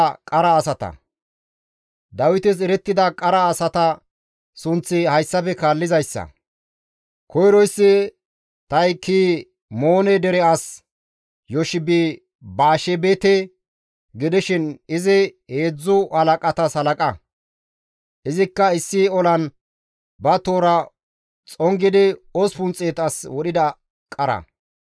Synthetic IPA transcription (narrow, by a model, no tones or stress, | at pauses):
kʼɐɾɐːsɐt̪ɐ̰ | d̪ɐwɪt̪ɪs̬ɛɾɛt̪ːɪd̪ɐkʼɐɾɐːsɐt̪ɐ | sʊnt͡sːɪhɐjsːɐpɛkaːlːɪzɐjsːɐ̰ | kʰɔjɾɔjsːɪ | t̪ɐjkʰiː | mo̞ːnɛd̪ɛɾɛas | jɔʃɪbi | baːʃɛbɛt̪ɛ | ɡɪd̪ɪʃɪnɪzɪheːd͡zːʊhɐlɐkʼɐt̪ɐshɐlɐkʼɐ | ʔɪzɪkːɐɪsːɪɔlɐn | bɐt̪oːɾɐ | t͡sʼɔŋɡɪd̪ɪospʊnt͡sʼeːt̪ɐswɔɗɪd̪ɐ | kʼɐɾɐ̰